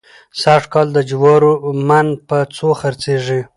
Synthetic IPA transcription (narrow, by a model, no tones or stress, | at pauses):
saʂkɑld̪əd͡ʒwɑɾomanpət͡soxaɾt͡seʐi